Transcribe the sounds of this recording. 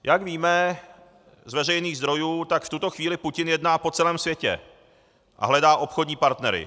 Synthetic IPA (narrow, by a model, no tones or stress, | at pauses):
jʔaɡviːmɛ | zvɛrɛjniːɣzd̪ɾo̞juːt̪akft̪ut̪o̞xviːlɪpucɪnjɛdnaːpo̞t͡sɛlɛːmsvjɛcɛ̰ | ʔa̰ɦlɛdaːʔo̞pxodɲiːpaɾt̪nɛɾɪ̰